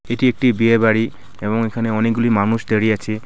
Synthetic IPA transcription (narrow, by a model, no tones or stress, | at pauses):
etiek̚ʈibiebaɽi | ebɔŋekʰaneɔnek̚ɡulimanusd̪eɾiat͡ʃʰi